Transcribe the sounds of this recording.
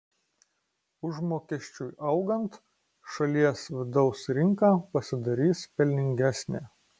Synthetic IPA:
ʊʒmoːkʲɛʃʲt͡ʃʲuːjʔɐʊɡɐnt̪ | ʃɐlʲiɛsʋʲɪd̪ɒʊsɾʲɪŋkɑːpɐsʲɪd̪ɐɾʲiːspʲɛlʲnʲɪŋʲɡʲæsʲnʲeː

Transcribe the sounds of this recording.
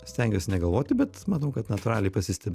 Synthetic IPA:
sʲt̪ʲɛŋɡʲesʲnʲɛɡɐlˠʋoːt̪ʲɪbʲɛt̪mɑːnɐʊkɐt̪nɐt̪ʊɾɑːlʲɛɪpɐsʲɪsʲt̪ʲɛbʲ

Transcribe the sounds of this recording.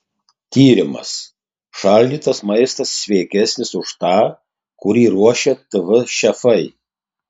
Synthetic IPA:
t̪ʲiːɾʲɪmɐ̰s | ʃɑːlʲd̪ʲiːt̪ɐsmɐɪst̪ɐsːʲʋʲɛːkʲɛsʲnʲɪsʊʃt̪ɑː | kʊɾʲiːɾuɔʃʲɛt̪ɨʋɪʃʲɛfɐɪ

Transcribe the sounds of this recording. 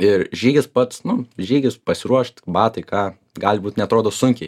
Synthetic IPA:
ɪrʒʲiːɡʲɪspɐt̪snʊʒʲiːɡʲɪspɐsʲɪɾuɔʃt̪ʲbɑːt̪ɐɪkɑː | ɡɑːlʲbuːt̪nʲɛɐt̪ɾoːd̪oːsʊŋʲkʲɛɪ

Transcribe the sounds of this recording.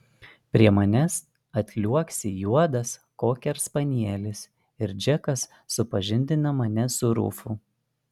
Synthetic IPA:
pʲɾʲiɛmɐnʲɛs | ɐt̪ʲlʲuɔksʲɪjuɔd̪ɐskoːkʲɛɾspɐnʲiɛlʲɪs | ɪɾd͡ʒʲɛkɐsː | ʊpɐʒʲɪnʲd̪ʲɪnɐmɐnʲɛsʊɾʊ̰ːfʊ

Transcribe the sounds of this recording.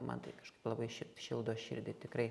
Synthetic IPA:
mɑ̰t̪ɐɪkɐʃkɐɪplˠɐbɐɪʃʲɪʃʲɪlˠd̪oːʃʲɪ̰ɾʲd̪ʲɪt̪ʲɪkrɐɪ

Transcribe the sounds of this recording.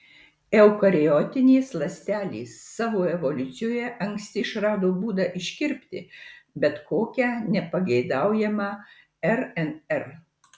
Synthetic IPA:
ɛʊkɐɾʲɪjɔːt̪ʲɪnʲeːslˠɐsʲt̪ʲæːlʲḭːsːɑːʋoːɛʋɔlʲʊt̪sʲɪjoːjɛʔɐŋksʲt̪ʲɪɪʃɾɑːd̪oːbuːd̪ɐʔɪʃʲkʲɪɾʲpʲt̪ʲɪbʲɛt̪koːkʲæːnʲɛpɐɡʲɛɪd̪ɑˑʊjɛmɑ | ɛɾɛnɛɾ

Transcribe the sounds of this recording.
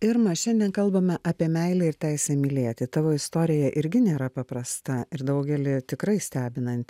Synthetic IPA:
ɪɾmɐʃʲɛnʲd̪ʲiɛnkɐlˠbɐmʲɐʔɐpʲiɛmʲɛɪlʲɛɪɾt̪ʲæɪsʲɛmʲɪlʲiɛt̪ʲɪt̪ɑːʋoːɪst̪oːɾʲɪjɛʔɪɾʲɡʲɪnʲeːɾɐpɐpɾɐst̪ɐɪɾd̪ɐʊɡʲɛlʲɪt̪ʲɪkɾɐɪsʲt̪ʲæːbʲɪnɐnʲt̪ʲ

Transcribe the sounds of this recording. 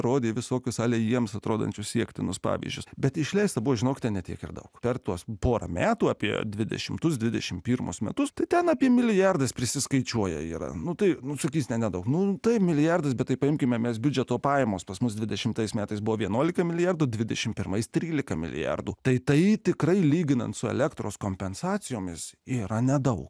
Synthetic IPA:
ɾoːd̪ʲeːʋʲɪsoːkʲʊsɑːlʲeːjiɛmsɐt̪ɾoːd̪ɐ̰nʲt͡ʃʲʊssʲiɛkt̪ʲɪnʊspɑ̰ːʋʲḭzʲd͡ʒʲʊsbʲɛt̪ɪʃʲlʲɛɪst̪ɐbʊʋoʒʲɪnoːkʲɪ̥t̪ʲɛnnʲɛtʲiɛkɪ̰rd̪ɐ̰ʊkpʲɛrt̪uɔspoːɾɐ̰mʲæːt̪uːɑːpʲiɛ̰d̪ʲʋʲɪd̪ʲɛ̰ʃʲɪmt̪ʊsd̪ʲʋʲɪd̪ʲɛʃʲɪmpʲiːrmʊ̰smʲɛt̪ʊst̪ɐɪt̪ʲɛnɑːpʲiɛmʲɪlʲɪjɑrd̪ɐspʲɾʲɪsʲɪskɐɪt͡ʃʲuɔjɛ̰iːɾɐ̰nʊt̪ɐɪnʊsɐkʲiːsɪnʲɛnʲɛd̪ɐʊknʊt̪ɐɪpmʲɪlʲɪjɑrd̪ɐs̬bʲɛt̪t̪ːɐɪpɐɪmʲkʲɪmʲɛmʲɛsbʲʊd͡ʒʲɛt̪oːpɑːjɛmoːspɐsmʊsd̪ʲʋʲɪd̪ʲɛʃʲɪmt̪ɐɪsmʲæːt̪ɐɪsbʊʋoːʋʲiɛnuɔlʲɪkɐmʲɪlʲɪjɑrd̪ʊdʲʋʲɪd̪ʲɛʃʲɪmpʲɪɾmɐɪst̪ʲɾʲiːlʲɪkɐmʲɪ̰lʲɪ̰jɑ̰rd̪uːt̪ɐɪt̪ɐɪt̪ʲɪkrɐɪlʲiːɡʲɪnɐ̰nt̪sʊɛ̰lʲækt̪ɾoːskoːmʲpʲɛnsɑːt͡sʲɪjoːmʲɪsiːɾɐnʲɛd̪ɐʊk

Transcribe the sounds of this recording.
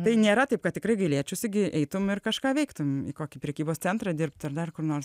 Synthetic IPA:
t̪ɐɪnʲeːɾɐt̪ɐɪp̚kɐt̪tʲɪkɾɐɪɡɐɪlʲiɛt͡ʃʲʊsɪɡʲɪʔɛɪt̪ʊmɪrkɐʃkɑːʋʲɛɪkt̪ʊmɪ̰koːkʲɪpʲɾʲɛkʲiːboːst͡sʲɛnt̪ɾɐd̪ʲɪrp̚t̪ɐrd̪ɐrkʊrnoːrs

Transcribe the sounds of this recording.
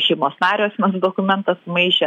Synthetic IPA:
ʃʲɛɪmoːsnɑːɾʲoːsʲmʲɛsd̪oːkʊmʲɛnt̪ɐsmɐɪʒʲɛ

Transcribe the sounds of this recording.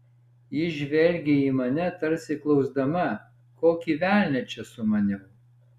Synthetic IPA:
jɪʒʲʋʲɛlʲɡʲɪiːmɐnʲɛt̪ɐɾʲsʲɪklˠɒʊzd̪ɐmɐ | koːkʲiʋʲæˑlʲnʲɛt͡ʃʲɛsʊmɐnʲɪ

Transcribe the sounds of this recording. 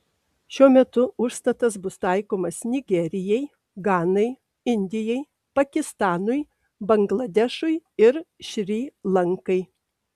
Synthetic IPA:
ʃʲuɔmʲɛt̪ʊʊʃst̪ɐt̪ɐs̬bʊst̪ɐˑɪkoːmɐsnʲɪɡʲɛɾʲɪjɛɪj | ɡɑːnɐɪ | ɪnʲd̪ʲɪjɛɪ | pɐkʲɪst̪ɑːnʊj | bɐŋɡlˠɐd̪ʲɛʃʊjɪɾʃʲɾʲiːlˠɐŋkɐɪ

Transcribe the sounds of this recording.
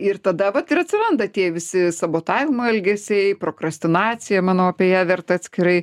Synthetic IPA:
ɪrt̪ɐd̪ɐʋɐt̪ɪɾɐt̪ʲsʲɪɾɐnd̪ɐt̪ʲiɛʋʲɪsʲɪsɐboːt̪ɑːʋʲɪmoɛlʲɡʲɛsʲɛɪpɾoːkɾɐsʲt̪ʲɪnɑːt͡ssʲɪjɛmɑːnoʊɑpʲiɛjæːʋʲɛrt̪ɐɐt̪sʲkʲɪɾɐɪ

